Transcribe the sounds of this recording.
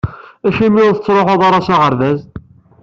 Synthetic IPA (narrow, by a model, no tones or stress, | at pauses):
æçimiʊɾθət͡sːɾˤoħɑðˤɑɾˤɑsaʁəɾðæz